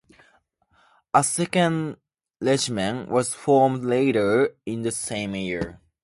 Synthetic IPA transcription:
əsɛkə̃n | lɛd͡ʒmə̃nwʔʌz̥fɔɹmdleɪɾə˞ɪ̃nðəsẽɪ̃mjiɹ

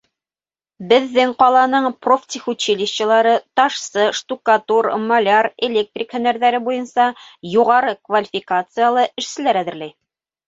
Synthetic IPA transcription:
bɘ̆ðːɘŋqɑlˠɑnɤɴproft̪ʲixut͡ɕilʲiɕt͡ɕɤ̆lˠɑɾɤt̪ɑʃsɤʃt̪ukat̪urmɐlʲarelʲek̚t̪rʲikhɵ̆næɾðæɾɘbujɤnsɑjuʁɑɾɤkvalʲifʲikat̪sɨjalˠɤʔɘ̆ʃsɘ̆læɾæðɘ̆ɾlæj

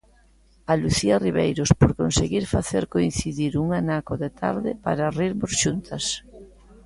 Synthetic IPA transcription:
aluθiɐriβejɾospoɾkonseɣiɾfaθeɾkoin̟θiðiɾuŋanakoðet̪ʰa̰ɾðɪpa̰ɾariɾmosʃunt̪ʰɐs

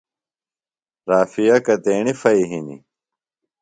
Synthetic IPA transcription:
ɾaːfijɐkɐt̪eːɳifɐiɦinḭ

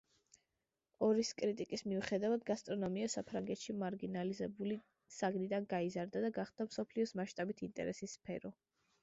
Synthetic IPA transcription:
ɔɾiskʼɾit̪ʼikʼismiuχɛd̪avad̪ɡast̪ʼɾɔnɔmiasapʰɾaŋɡɛt̪ʃimaɾɡinalizɛbuli | saɡnid̪anɡaizaɾd̪ad̪aɡaχd̪amsɔpʰliɔsmaʃt̪ʼabit̪ʰint̪ʼɛ̰ɾɛsisːpʰɛ̰ɾɔ

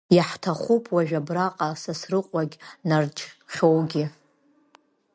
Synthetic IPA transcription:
jaħtʰaχʷupʰwaʒᶣabraqʼasasrɨqʷʼaɡʲnard͡ʒʼχʲowɡʲi

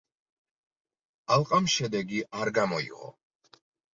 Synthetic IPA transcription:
alˠqʼamʃɛd̪ɛɡiʔaɾɡamɔḭʁɔ̰

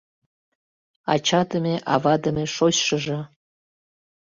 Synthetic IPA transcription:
ɑ̰t͡ɕɑd̪əmʲeʔɑvɑd̪əmʲeʃoɕʃəʒĕ

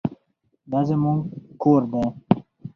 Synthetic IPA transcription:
d̪azemuŋɡkoːɾd̪a

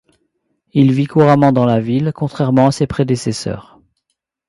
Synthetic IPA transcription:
ilvikuʁamɑ̃d̪ɑ̃lavilkɔ̃t̪χɛʁmɑ̃asepχed̪esɛsœ̰ːʁ

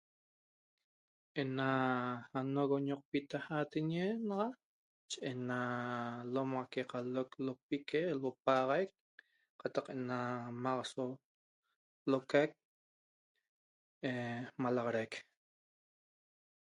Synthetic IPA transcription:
ʔenaanoɣoɲoq̚pit̪ahat̪eɲenɑʁɑ | t͡ʃeʔenalomʁakeqaloklop̚ikelop̚ɑʁɑjk̚ | qɑt̪ɑqʔenamaʁɑso | lokajk̚ | emalɑʁɑɾajk

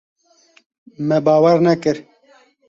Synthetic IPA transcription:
mɛbaːwɐɾnɐkɨɾ

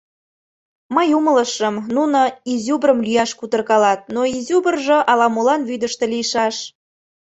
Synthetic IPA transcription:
məjumələʃəmnunoizʲubrəmlyjɑʃkut̪ərkɑlɑt̪̚noizʲubərʒɤ̆ʔɑlɑmolɑnβyd̪ə̆ʃt̪ĕliʃɑʃ

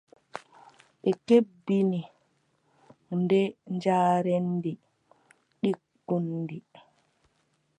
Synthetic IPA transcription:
ɓɛkebːini | ndɛɲd͡ʒaːɾendi | ɗikː | undi

